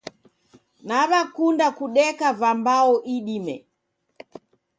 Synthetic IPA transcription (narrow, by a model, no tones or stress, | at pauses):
naβakundakuɗɛkavambaɔʔiɗimɛ̰